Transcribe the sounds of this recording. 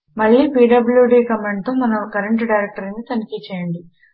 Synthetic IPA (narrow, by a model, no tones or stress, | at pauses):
mɐɭːiːpiːɖɐbljuɖiːkɐmeɳɖʈ̚t̪oːmɐnɐkɐɾeɳʈɖɐjɾek̚ʈɐɾɐnit̪ɐnikit͡ʃɛːjɐɳɖi